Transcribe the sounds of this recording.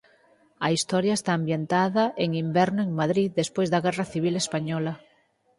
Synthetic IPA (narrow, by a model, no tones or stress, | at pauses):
aist̪oɾjaest̪aːmbjent̪aðaʔeŋimbɛɾnoeŋmaðɾiðespwezðaɣeraθiβ̞ilespaɲɔla